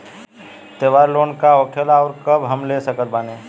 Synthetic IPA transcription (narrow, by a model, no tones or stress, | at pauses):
t̪eːʋaːɾloːnkaɔːkʰelaɔːɾkəbɦəmlesəkət̪̚baːneː